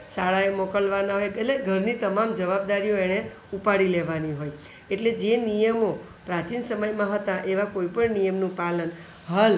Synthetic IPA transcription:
saɭaemokəlʋanaɦojleɡʱəɾnit̪əmamd͡ʒəʋab̚d̪aɾijoeɽ̃e | upaɽileʋaniɦoj | eʈled͡ʒenijəmo | pɾat͡ʃinsəməjmãɦət̪ãʔeʋakoipəɳnijəmnũpalən | ɦəl

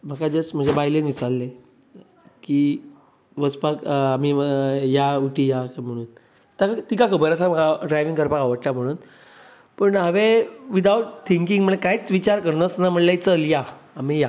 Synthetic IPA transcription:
m̤akad͡zəsm̤əɳd͡zebajlenʋisallːe | kiː | ʋəspakam̤ijauʈijakam̤əɽ̃uːn | t̪jakat̪ikakʰəbəɾəsamakaɖɾajʋiŋkəɾpakaʋəʈʈam̤əɽ̃uːn | pəɳɦaʋeʋid̪awʈt̪ʰiŋkĩŋɡm̤əɳekajt͡sʋit͡ɕaɾkəɾnəsnam̤əɽlet͡səljaːmija

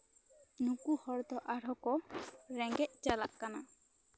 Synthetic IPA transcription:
nukuhɔɾd̪ɔʔaɾɔkɔɾɛŋɡet͡ʃalaʔkːana

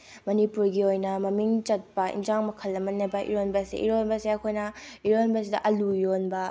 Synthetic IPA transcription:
mɐnipuɾɡiojnɐmɐmiŋt͡ʃɐt̚pɐʔḭnd͡ʒaŋmɐkʰɐlːɐmɐnːebɐʔḭɾonbɐsḛʔḭɾonbɐseɐkʰojnɐiɾonbɐs̬idɐ̰ʔɐlujonbɐ

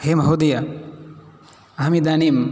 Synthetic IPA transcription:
heːmɐɦod̪ijɐ | ɐɦɐmid̪aːniːm

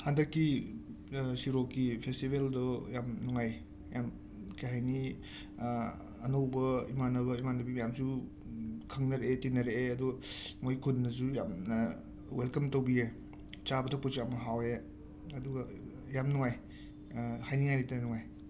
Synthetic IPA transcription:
handɐkːi | siɾokːipʰestibeldɔjamnuŋaj | jam | kaɦajni | nowbɐimanɐβɐimanɐbimjamsu | kʰɐŋnɐɾeʔetinɐɾeeɐduɡmojkʰunːɐzujamnɐ | welkɐmtowbie | t͡ʃabɐtʰaput͡ʃamɐɦawe | ɐduɡɐ | jamnuŋaj | hajniŋajnitɐnuŋaj

